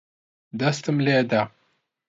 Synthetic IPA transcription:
d̪ast̪əmleːd̪a

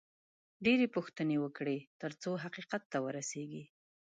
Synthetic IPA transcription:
ɖeɾepuxt̪ənewəkɽet̪əɾt͡soɦaqiqat̪ːawəɾaseɡi

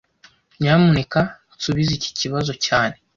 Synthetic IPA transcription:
ɲamuneka | suβizici̥ciβazo̞caːne̞

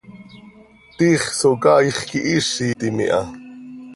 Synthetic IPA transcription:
t̪iːχsokɑːiχkiʔiʃːit̪imḭʔɑ̰

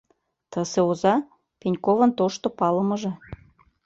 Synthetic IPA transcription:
t̪ə̆seozɑ | penʲkovə̆nt̪oʃt̪opɑlə̆mɤ̆ʒĕ

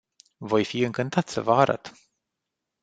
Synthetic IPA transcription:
vo̞jfiɨŋkɨnt̪at̪sə̰vəaɾa̰t̪

